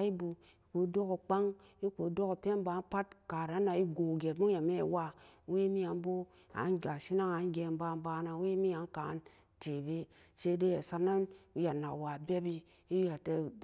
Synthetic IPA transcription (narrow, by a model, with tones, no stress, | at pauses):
i˦bu˨ | i˨ku˨˦do˦ko˨k͡pa˦ŋi˦ku˨˦do˦ko˨pe˦ba˨˦pa˦tka˨ɾa˨˦na˨i˦ɡo˨ɡe˨mu˦ŋ˦a˨me˦˨wa˦we˦mi˦a˨m˦bo˦ | a̰˨˦n˦ɡa˨ʃi˦na˦ŋa˨˦ɡʲe˨m˦ba˦m˦ba˦na˨˦we˦mi˦a˨˦ŋ˦ka˨˦n | te˨be˦ | se˦de˦ja˨sa˦ɾna˦nu˦ja˨na̰˨wa˨bʲe˦bi˦ | i˦ja˨te˦